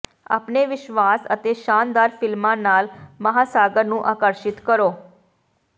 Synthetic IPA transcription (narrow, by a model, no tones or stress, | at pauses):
a̰ːpneːʋɪʃʋaːsə̰t̪eːʃaːnd̪aːɾpʰɪlmãːnaːlməɦaːsaːɡəɾnũːʔaːkəɾʃɪt̪kəɾoː